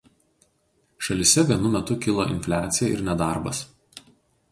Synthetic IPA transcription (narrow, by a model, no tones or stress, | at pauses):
ʃɐlʲɪsʲɛʋʲiɛnʊmʲɛt̪ʊkʲɪlˠoʔɪ̰nʲfʲlʲæːt̪sʲɪjɛʔɪ̰ɾnʲɛd̪ɑɾbɐs